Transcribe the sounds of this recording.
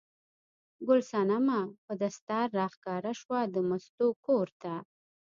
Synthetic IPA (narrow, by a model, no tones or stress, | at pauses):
ɡʊlsɑnamapəd̪ast̪ɑɾːɑxkɑɾaʃwad̪əmast̪okoɾt̪a